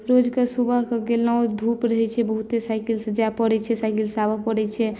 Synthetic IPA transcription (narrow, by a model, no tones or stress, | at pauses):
ɾod͡ʒkesubəɦkeɡelnawd̪ʱupɾəɦɛt͡ʃʰɛbəɦut̪esajkilsəd͡ʒapəɽɛt͡ʃʰɛsajkilsabapəɽɛt͡ʃʰɛ